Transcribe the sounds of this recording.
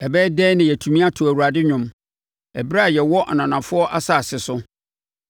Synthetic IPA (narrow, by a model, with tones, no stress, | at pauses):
ɛ˨bɛː˦dɛː˦nɪ̃˨jɛ˨tʰũ˨mĩ˦a˦tʰʊ˨æ˨wu˨ɾa˨dɪ˦ɲᶣʊ̃˨m | ɛ˨bɾa˦˨jɛ˨wɔ˦ʔa˨nã˨nã˨fʊ˦ɔ˦ʔa˦sa˨sɪ˨sʊ˦